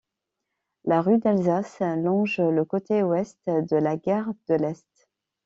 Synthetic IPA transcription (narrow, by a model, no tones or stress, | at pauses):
laʁyd̪alzaslɔ̃ʒləkot̪ewɛst̪d̪əlaɡaʁd̪əlɛst̪